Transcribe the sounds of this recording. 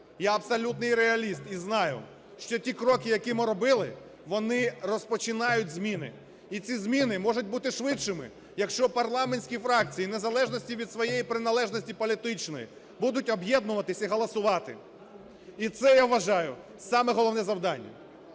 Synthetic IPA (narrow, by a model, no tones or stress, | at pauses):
jaɐbsɐlʲut̪nɪjɾeɐlʲist̪iznɑjʊ̰ | ʃt͡ʃɔtʲikɾɔkɪjɐkʲimɪɾɔbɪlˠɪ | ʋɔnɪrɔspɔt͡ʃɪnɑjʊtʲzʲmʲinɪ̰ | it͡sʲizʲmʲinɪmɔʒʊt̚ʲbut̪ɪʃʋɪʃɪmɪ̰ | jɐkʃt͡ʃɔpɐrlˠɑmenʲsʲkʲifɾɑk̚t͡sʲijinezɐlˠɛʒnɔsʲtʲiʋʲid̪sʋɔjejipɾɪnɐlˠɛʒnɔsʲtʲipɔlʲit̪ɪt͡ʃnɔ̰jḭ | bud̪ʊtʲɔbjɛd̪nʊʋɐt̪ɪsʲɐiɦɔlˠɐsʊʋɑt̪ɪ̰ | it̪sɛjaʋʋɐʒɑjʊ | sɑmɛɦɔlˠɔʋnɛzɐwd̪ɑnʲːɐ̰